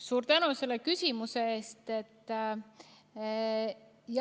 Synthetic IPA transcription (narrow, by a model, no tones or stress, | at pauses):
suːɾt̪ænuse̞lːekysʲimuse̞e̞ːst̪e̞t̪ːˑ | j